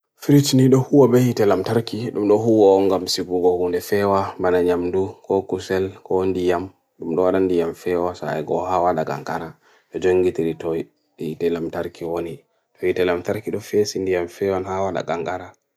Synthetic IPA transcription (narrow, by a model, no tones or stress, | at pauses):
fiɾit͡ʃniɗɔhuwɔbɛhitɛlamtaɾkiɗumɗɔɦuwɔːŋɡamsiɡuɡɔhundɛfɛwamanaɲamdukɔkusɛlkɔndijam | ɗumɗɔwaɗandijamfɛwasa̰jɡɔhawaɗaɡa̰ŋɡaɾa | ɗɔd͡ʒoŋɡitiɾitɔj | ɗɛhitɛlamtaɾkiwoni | ɗɔhitɛlamtaɾkiɗɔfesindijamfɛwanhawaɗa̰ɡaŋɡaɾa